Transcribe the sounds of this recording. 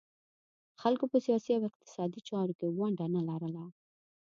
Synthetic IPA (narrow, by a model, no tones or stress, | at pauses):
xalkopəsijɑsiawɪq̚t̪ɪ̥sɑd̪it͡ʃɑɾokewaɳɖanalaɾəla